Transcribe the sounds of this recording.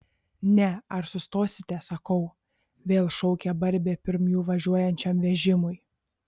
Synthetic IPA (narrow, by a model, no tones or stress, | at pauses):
nʲɛɐɾsʊst̪oːsʲɪt̪ʲɛsɐkɐʊ | ʋʲeːlˠʃɔʊkʲɛbɐɾʲbʲeːpʲɪɾmjuːʋɐʒʲuɔjɛnʲt͡ʃʲɛmʋʲɛʒʲɪmʊj